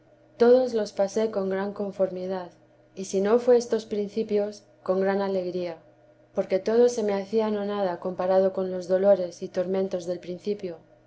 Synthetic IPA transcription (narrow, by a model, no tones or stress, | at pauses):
t̪o̞ð̞o̞zlo̞spase̞ko̞ŋɡɾaŋko̞ɱfo̞ɾmiðað | isino̞fweest̪o̞spɾinθipjo̞s | ko̞ŋɡɾanale̞ɣɾia | po̞ɾke̞t̪o̞ðo̞se̞me̞aθiano̞nað̞ako̞mpaɾað̞o̞ko̞nlo̞zðo̞lo̞ɾe̞sit̪o̞ɾmẽ̞nt̪o̞zðe̞lpɾin̟θipjo̞